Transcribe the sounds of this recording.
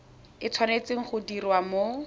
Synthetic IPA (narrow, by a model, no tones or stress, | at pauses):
ɪt͡sʰwanet͡seŋ̩χʊdirwamo